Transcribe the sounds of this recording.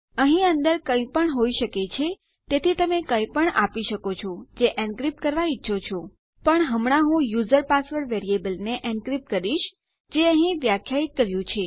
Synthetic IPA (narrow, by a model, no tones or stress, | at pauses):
əɦĩənd̪əɾkə̃ĩpəɳɦoiʃəket͡ʃʰe | t̪et̪ʰit̪əmekə̃ĩpəɳapiʃəkot͡ʃʰod͡ʒeʔɛ̃ɳɖkɾipkəɾʋaitːʃʰot͡ʃʰo | pəɳɦəmɳaɦũjuzəɾpasʋəɾʋeɾiebəlneʔɛ̃ɳkɾip̚kəɾiʃ | d͡ʒeəɦĩʋjakʰjait̪̚kəɾjũt͡ʃʰe